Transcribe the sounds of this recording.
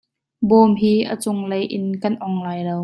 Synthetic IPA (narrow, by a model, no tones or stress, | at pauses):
bɔːmɦiːʔə̰t͡sʊŋlejʔɪnkɐnʔɔŋlaːjlow